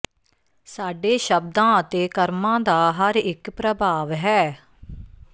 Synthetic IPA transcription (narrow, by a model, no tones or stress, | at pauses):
saːɖeːʃəb̚d̪ãːət̪eːkəɾmãːd̪aːɦəɾɪkpɾəbʱaːʋɦɛː